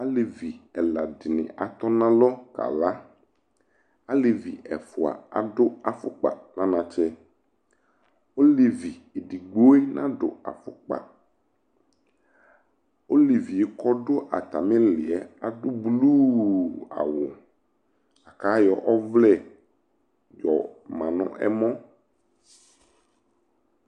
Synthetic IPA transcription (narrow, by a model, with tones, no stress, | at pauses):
a˦le˨vi˨ɛ˨la˨dɪ˨nɪ̰̃˨ʔa˨t̪ɔ˦nã˦lɔ˦ka̰˨la˦ | a˦le˨vi˨ɛ̰˨fʊ˨a̰˨a̰˨ɖʊ˦a˨fʊ˦k͡pa̰˨nã˦nã˨t͡ʃɛ˦ | o˦li˨vi˨e˨ɖi˨ɡ͡bo˦e˦nã˦ɖʊ̰˨a̰˨fʊ̰˨k͡pa̰˨ | o˦li˨vi˨e˨kɔ˦ɖo˦ʔa̰˨t̪a˨mẽ˦lɪ˨ɛ˦a˨dʊ˦blu˦a̰˨wʊ˨ | a˨ka˨˦jɔ˨ʔɔ˦vlɛ˦˨ | d͡ʒɔ̰˨mã˨nɔ̰̃˦ʔɛ̰˦mɔ̃˦